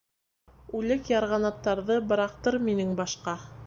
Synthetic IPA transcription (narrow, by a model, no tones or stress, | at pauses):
ʉlɘkjɑɾʁɑnɑt̪ːɑɾðɤbɤ̆ɾɑq̚t̪ɤɾminɘŋbɑʃqɑ